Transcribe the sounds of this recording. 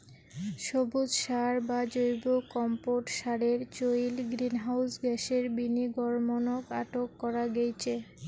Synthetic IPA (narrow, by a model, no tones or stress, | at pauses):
ʃobud͡ʑʃaɾbad͡ʑojbokɔmpoʈʃaɾeɾt͡ɕojlɡɾinɦawsɡɛʃeɾbiniɡɔɾmonokaʈokːɔɾaɡejt͡ɕʰe